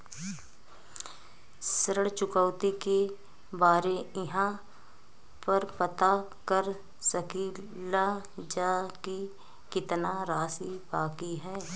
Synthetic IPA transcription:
sɾəɽt͡ʃʊkəːʊt̪ike | baːɾeɪɦã | pəɾpət̪a | kəɾ | səki | la | d͡ʒaːki | kɪt̪naɾaːsibaːkiɦɛː

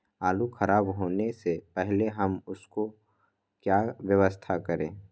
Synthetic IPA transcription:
aːluxʰɐɾaːbɦoːnesepɛɦleɦɐmʊsko | kjaːwjəʋəst̪ʰakɐɾḛ̃ː

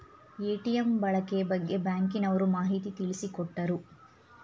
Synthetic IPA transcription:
eːʈijɐmbɐɭɐkebɐɡːe̞baːŋkinɐʋɐɾumaːɦit̪it̪iɭisikɔʈːɐɾu

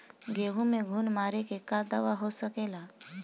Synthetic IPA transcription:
ɡeʋũmeɡʱuːnmaɾekekad̪əʋaɦosəkela

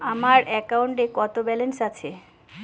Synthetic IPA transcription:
amaɾɛkawɳʈekɔt̪obɛlensat͡ɕʰe

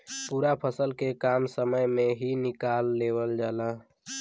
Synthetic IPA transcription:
puːɾapʰəsəlkekamsəməjmẽɦinɪkalːeːwəld͡ʒaːla

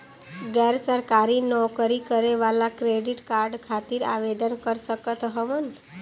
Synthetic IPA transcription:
ɡɛɾsəɾkaɾinɔkəɾikəɾeʋalakɾeɖiʈkaɾɖkʰat̪iɾa̰ʋed̪ənkəɾʃəkət̪ɦəʋən

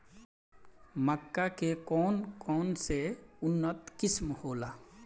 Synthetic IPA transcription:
məkːakekɔːnkɔːnseʊnːət̪kɪsmhoːlaː

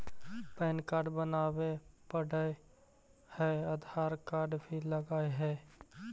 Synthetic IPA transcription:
pɛːnkaːɾɖbənaːwepəɽə | hɛəd̪ʱaːɾkaːɾɖbʱiləɡaːeɦɛː

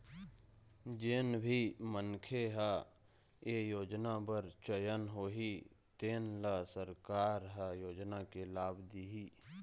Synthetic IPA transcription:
d͡ʒeːnbʱimənkʰeɦa | eːjoːd͡ʒnabəɾt͡ʃəjənɦoːɦi | t̪eːnlasəɾkaːɾɦajoːd͡ʒnakelaːbd̪iɦiː

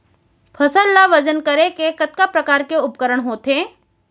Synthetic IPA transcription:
pʰəsəlːaʋəd͡ʒənkəɾekekɐt̪̚kapɾɐkaːɾkeʊpkəɾəɽɦoːt̪eː

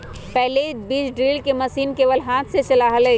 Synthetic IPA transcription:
pɛɦlebiːd͡ʒɖɾiːlkeməsiːnkeʋəlɦaːt̪ʰset͡ʃəlaɦəlɦɛ

